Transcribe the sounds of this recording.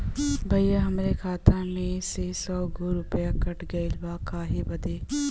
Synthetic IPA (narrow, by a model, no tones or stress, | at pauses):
bʱɐjjaɦɐmɾekʰaːt̪amẽsesɔːɡoɾʊpjakɐʈɡɐelʋaːkʰaːɦebɐd̪eː